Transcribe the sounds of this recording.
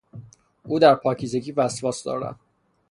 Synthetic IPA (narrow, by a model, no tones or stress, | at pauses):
ʔuːd̪æɾpʰɒːcʰizeɡiːvæsvɒːsd̪ɒ̰ːɾæ̰n